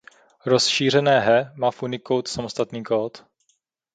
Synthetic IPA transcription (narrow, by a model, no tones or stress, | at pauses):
ɾosʃiːr̝ɛnɛːɦɛmaːfʔunɪkowt̪samost̪at̪niːkoːt̪